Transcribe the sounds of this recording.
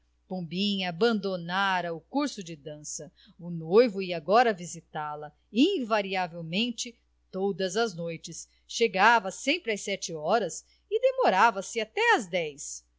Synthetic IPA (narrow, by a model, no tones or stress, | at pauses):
põbĩɲɐabɐ̃nd̪onaɾɐʊkuɾsʊd͡ʒɪd̪ɐ̃sɐ | ʊnojvʊiɐaɡɔɾɐvizit̪alɐ | ĩvaɾiavewmẽnt͡ʃɪ | t̪od̪ɐzɐznojt͡ʃɪs | ʃeɡavɐsẽmpɾɪasɛt͡ʃɪɔɾɐs | ɪd̪emoɾavɐsɪat̪ɛɐzd̪ɛjs